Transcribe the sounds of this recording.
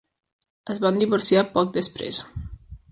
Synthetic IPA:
əzβand̪iβoɾsiapɔk̚d̪əspɾḛs

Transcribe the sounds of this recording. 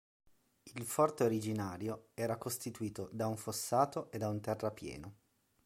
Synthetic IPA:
ilfɔrt̪eoɾid͡ʒinaːɾjoɛːɾakost̪it̪uiːt̪od̪auɱfosːaːt̪oʔed̪aunt̪ɛrːapjɛ̰ːno

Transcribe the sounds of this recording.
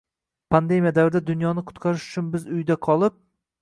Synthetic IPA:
pʰand̪e̞mʲijad̪avɾɪd̪ad̪ʊnjɒnɪqʰʊ̥t̪qʰɑɾɪʃʊ̥t͡ʃʰʊnbɪzʊjd̪aqʰɒlˠɪp̚

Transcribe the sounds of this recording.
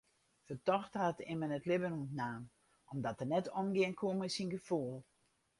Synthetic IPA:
fətɔxtatɪ̰mənətlɪbənuntnaːm | ʔɔmdɔtənɛtʰɔmɡɪənkʰoməsinɡəfulˠ

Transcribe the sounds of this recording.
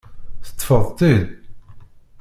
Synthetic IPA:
θə̥t̪ːfəðˤt̪ˤið

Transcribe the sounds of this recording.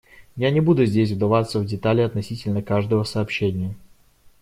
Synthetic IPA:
janʲɪbud̪ʊzʲdʲesʲvd̪ɐvat̪səvdʲɪt̪alʲɪɐt̪nɐsʲitʲɪlʲnəkaʐd̪əvəsɐːpɕːenʲɪjə

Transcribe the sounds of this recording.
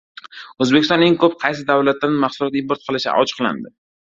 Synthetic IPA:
ɵzbekʲɪst̪ɒ̃neŋkɵp̚qʰɑjsɪd̪avlat̪ːanmaχsʊlɒt̪impoɾt̪̚qʰɨlɪʃa̰ʔɒ̰t͡ʃʰɨ̥qlˠa̰nd̪ɪ

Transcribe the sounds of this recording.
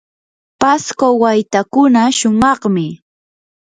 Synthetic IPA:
paskowajt̪akʊnaʃʊmɑχmɪ

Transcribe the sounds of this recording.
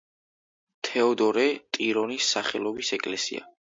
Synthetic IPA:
t̪ʰɛɔd̪ɔɾɛt̪ʼiɾɔnisːaχɛlˠɔbisɛkʼlɛsḭa̰

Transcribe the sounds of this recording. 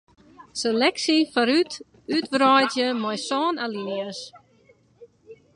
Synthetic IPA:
səlɛksifaɾyt | ytʋrɔjtjəmɔjsɔːnaliniəs

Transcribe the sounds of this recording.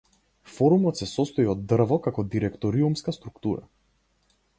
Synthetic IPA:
fɔɾumɔt̪sɛsɔst̪ɔiɔd̪ːr̩vɔkakɔd̪iɾɛkt̪ɔɾiumskast̪ɾukt̪uɾa̰

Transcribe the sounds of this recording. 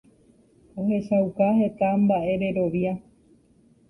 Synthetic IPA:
o̞he̞ʃawkaɦe̞t̪ambaʔe̞ɾe̞ɾo̞ʋja

